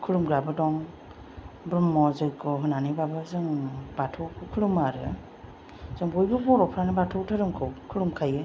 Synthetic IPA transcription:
kʰɯɾumɡɾabɯdɔŋ | bɾɔmːɔzɯjkʰɔɦɯnanibabɯzɯŋbatʰɔwkʰɯkʰɯɾumaɾɯ | z̥ɯŋbɔjbɯbɔɾɔpʰɾanabatʰɔktʰaɾɯŋkʰɯwkʰɯɾumkʰajɯ

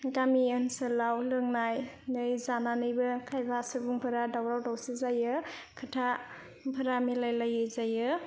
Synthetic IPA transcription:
ɡamiənsɯlawlɯŋnaj | nɯjzananɯjbɯkʰajbasɯbuŋpʰɯɾadawɾawdawsizajɯkʰɯtʰa | bʰɯɾamilajlajɯzajɯ

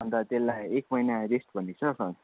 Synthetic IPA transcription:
ʌnd̪at̪elːajek̚mʌjnaɾesʈbʱʌnːit͡sʰʌsʌn

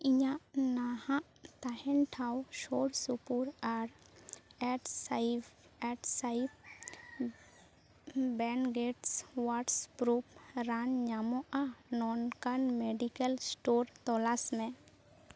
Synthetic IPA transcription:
iɲaʔnahãʔ | t̪ahɛnʈʰawʃoɽsupuɾaɾ | ɛʈsjɛʈsaip̚ | bɛnɡeʈswaʈspɾupɾanɲamɔʔanɔnkanmeɖikəlsʈoɾt̪ɔlasmẽ

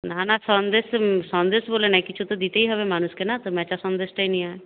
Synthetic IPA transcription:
nanasɔ̃nd̪eːssɔ̃nd̪eːsboːlenaĩkɪt͡ʃʰut̪od̪it̪eiɦɐbemaːnʊskenat̪omɛ̃ːt͡ʃasɔ̃nd̪eːsʈainĩaːe

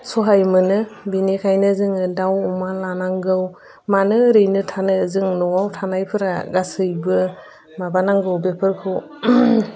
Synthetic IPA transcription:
sɔɦajmɯnɯbinikʰajnɯzɯŋɯdawumalanaŋɡɯw | manɯɾɯjnɯtʰanɯzɯŋnɔwawtʰanajpʰɯɾa̰ɡasɯjbɯ | mabanaŋɡɯwbepʰɯɾkʰɯw

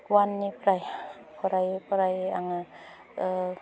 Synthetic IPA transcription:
wanːipɾajpɔɾajpɔɾajaŋa

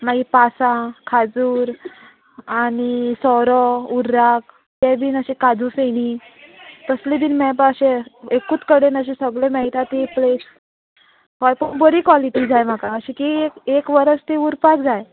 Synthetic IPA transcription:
m̤aɡipasãkʰad͡zuːɾ | añisɔɾɔuɾak̚ | t̪ɛb̪iːnəɕikad͡zuseñi | t̪əslid̪iːnmɛpaəɕeekut̪kəɽenəɕ̬isəɡɭẽməɦit̪ʰat̪iples | kɔjpəɳbəɾiːkʋɔliʈiːd͡zajm̤akaəɕĩkiekekʋəɾəst̪euɾpakd͡zaj

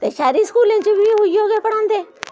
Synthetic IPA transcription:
t̪eːʃaːɾiskuːlẽt͡ʃebʱiɦʊioːɡepɐɽãːnd̪eː

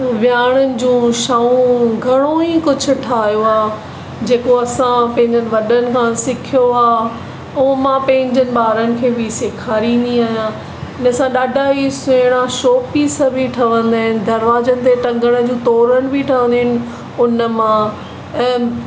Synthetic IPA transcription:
ʋjaːɽ̃ənɪ̆d͡ʑũːʃaːũɡʱɐɽ̃oikʊd͡ʑʱʊ̆ʈʰaːɦijoaː | d͡ʑeːkoɐsãpɐ̃ɦɪ̃ɲd͡ʑənɪ̆ʋɐɗənɪ̆kʰãsɪkʰijoaː | ũːmãpɐ̃ɦɪ̃ɲd͡ʑənɪ̆ɓaːɾənɪ̆kʰeːbɪsɪkʰaːɾĩnd̪iaːɦjã | ɪnɐsãɗaːɖʱaːisʊɽ̃ãʃoːpisəbʱiʈʰɐʋə̃nd̪aːɪnɪ̆d̪ɐɾʋaːzənɪ̆t̪eʈɐ̃ŋɡəɽ̃əd͡ʑũːt̪ɔːɾənɪ̆bʱiʈʰɐʋə̃nd̪iɦɪnɪ̆ | ʊnə̆mã | ɛ̃ː

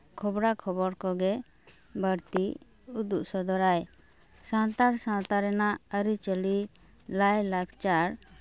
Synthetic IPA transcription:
kʰɔbɾakʰɔbɔɾkɔɡɛ | bəɾt̪i | ud̪uʔsɔd̪ɔɾaj | sãnt̪aɾsãnt̪aɾɛnaəɾit͡ʃəli | lajlaɡt͡ʃaɾ

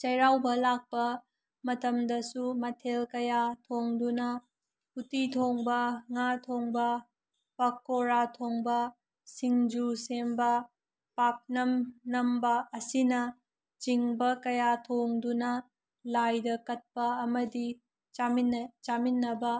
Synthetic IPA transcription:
t͡ʃɐjɾawbɐlak̚pɐ | mɐtɐmdɐsumɐtʰelkɐjatʰoŋdunɐ | putitʰoŋbɐŋatʰoŋbɐ | pɐkːoɾatʰoŋbɐ | siŋd͡ʒusembɐ | pak̚nɐmnɐmbɐːsinɐ | t͡ʃiŋbɐkɐjatʰoŋdunɐ | lajdɐkɐt̚pɐɐmɐdi | t͡ʃamt͡ʃaminːɐbɐ

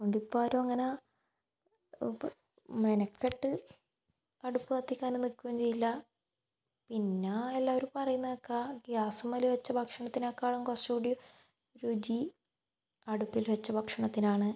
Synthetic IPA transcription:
koɳɖipːaːɾoɐŋːɐne | menɐkːeʈːɨ | ɐɽupːɨsɐt̪ːikʲːaːnenːilkːuʋɐmt͡ɕe̞jːilːɐ | pinːelːaːʋoɾupɐrɐjunːɐðokːaɡjaːsɐmɐliʋet͡ɕːɐbʱɐkʂɐɳɐt̪ːinakːaːɭuŋkorsuɽju | ɾud͡ʑi | ɐɽupːilʋet͡ɕːɐbʱɐkʂɐɳɐt̪ːinaːɳɨ

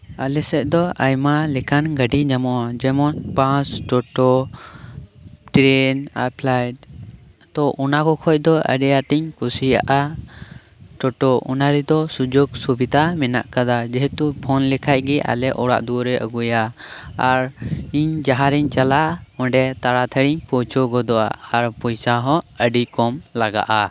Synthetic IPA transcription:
alɛsɛʔ̚d̪ɔajmalɛkʰanɡəɖid͡ʒamɔwad͡ʒɛmɔnpãsʈɔʈɔ | ʈɾɛna̰pʰlajʈ̚ | t̪ɔʔɔnakɔkʰɔc̚ˀd̪ɔʔə̰ɖɛjaʈiɲkusija̰ʔa | ʈɔʈɔɔ̰naɾɛd̪ɔsud͡ʒuɡsubid̪amɛna̰ʔkad̪ad͡ʒɛɦɛt̪upʰɔnlɛkʰac̚ɡɛʔa̰lɛʔɔɽa̰ʔd̪uɾɛʔə̰ɡujaː | ɾiɲd͡ʒaɦaɾiɲt͡ʃalaɔ̃ɖɛt̪aɽat̪ʰəɽiɲpɔt͡ʃɔɡɔd̪ɔʔa̰aɾpɔjsaɦɔ̃əɖikɔmlaɡa̰ʔa

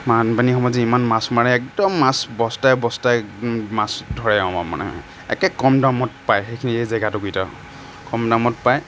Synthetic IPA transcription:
manpanixɔmɔziimanmasmaɹɛɛk̚dɔmːasbɔstajbɔstajmasdʱɔɹɛaɔ̃mama̰nɛ̰ | ɛ̰kɛkɔmdamɔtpajxejkʰiniejzaɡatʊkujta | kɔmdamɔtpaj

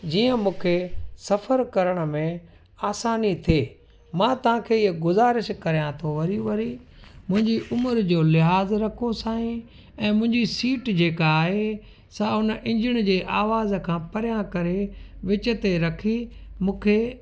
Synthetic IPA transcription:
d͡ʑiːə̃mũːkʰesɐfəɾkɐɾəɽ̃ʊ̆mẽ | aːsaːnit̪ʰieː | mãːt̪ɐʋ̤ãːkʰeːɪɦəɡʊzaːɾɪʃkɐɾijãt̪ʰoʋɐɾiʋɐɾimʊ̃ɦɪ̃ɲd͡ʑiʔʊməɾd͡ʑoːlɪɦaːzɾɐkʰosaːĩ | ɛ̃ːmʊ̃ɦɪ̃ɲd͡ʑisiːʈd͡ʑeːkaːɦe | saɦʊnʔɪ̃ɲd͡ʑɪɽ̃d͡ʑeːʔaːʋaːzkʰãːpɐɾɪjãkɐɾeʋɪt͡ɕə̆t̪eɾɐkʰimũːkʰeː

